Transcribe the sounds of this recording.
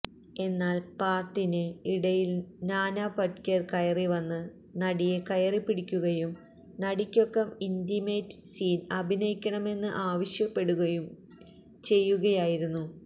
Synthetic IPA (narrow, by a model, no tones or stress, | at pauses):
e̞nːaːlpaːrʈːinɨiɽɐjilnaːnaːpɐʈkʲɐrkɐjɐriʋɐnːɨ | nɐɽijekɐjɐripːiɽikʲːuɣɐjum | nɐɽikʲːo̞kːɐmindimeːtsiːnɐbʱinɐjikʲːɐɳɐme̞nːɨʔaːʋɐɕjɐpːe̞ɽuɣɐjum | t͡ɕe̞jːuɣɐjaːjiɾunːu